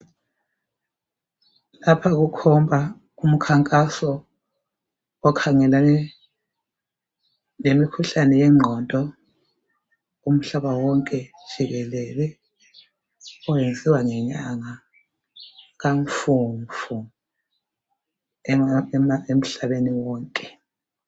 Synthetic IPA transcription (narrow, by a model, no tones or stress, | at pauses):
lapʰaɣukʰɔmbʱa | ɣum̩kʰaŋkʼasɔ | kʰaŋɛla | nemikʰuɬanɛjɛŋ͡ǁʱɔntʼɔ | um̩ɬaβawɔŋkʼɛ̥ʒ̥ʱiɣɛlɛlɛ | ɔwend͡zʱiwaŋɛɲaŋa | ɣaɱfuɱvu | mem̩ɬaβeniwɔːŋkʼɛ